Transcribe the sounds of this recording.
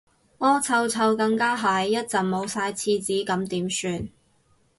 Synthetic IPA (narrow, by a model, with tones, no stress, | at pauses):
ŋɔː˥t͡sʰɐ˧wt͡sʰɐ˧wkɐ˧ŋkaː˥ɦaː˨˥jːɐ˥t̚t͡sɐ˨˩ŋmo˨˧wsaː˧jt͡sʰiː˧t͡siː˨˥kɐ˨˧˥mt̪iː˨˥msyː˧n